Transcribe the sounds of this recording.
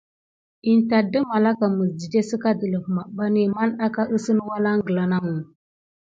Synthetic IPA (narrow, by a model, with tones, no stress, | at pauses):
i˨nta˨da˦ma˨la˦ka˨mə˨sd͡ʒi˨de˦sə˦ka˦də˨lə˨fma˨ɓa˦ni˦ma˦na˦ka˦ʔə˦sə˦nwa˦la˦ŋɡə˨la˨na˦mu˨